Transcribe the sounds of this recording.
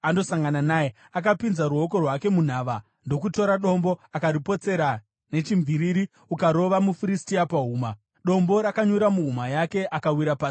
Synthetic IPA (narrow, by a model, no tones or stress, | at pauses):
ando̞saŋɡananaːje | akapinzaɾuɦoko̞rwake̞mun̤aːʋa | ndo̞kuto̞ɾaɗo̞mbo̞akaɾipo̞t͡se̞ɾa | ne̞t͡ʃimviɾiɾi | ukaɾo̞ʋamufiɾistiapaɦuːma | ɗo̞mbo̞ɾakaɲuɾamuɦumajake̞ʔakawiɾapaːsi̥